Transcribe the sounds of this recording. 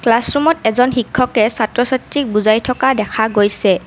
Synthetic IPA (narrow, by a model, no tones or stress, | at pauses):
klasɹumɔtɛzɔnxikʰːɔkɛsatɹɔsatɹik̚buzajtʰɔkadɛkʰaɡojsɛ